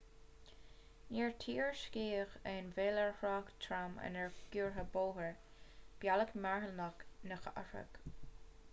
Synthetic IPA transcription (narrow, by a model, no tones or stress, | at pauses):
niːɹtʰiːɹʃkiːxɛnveːləɹhɹɑːkt̪ʰɾamə̰nɛɹɡ̥uːɹɦəboːɦəɹ | b̥jaləkmaɹhəlnaknəxa̰fə̰k